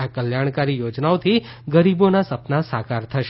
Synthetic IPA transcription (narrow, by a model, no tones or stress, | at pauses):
akəljaɽ̃kaɾijod͡ʒnaot̪ʰi | ɡəɾibonasəpnasakaɾt̪ʰəʃ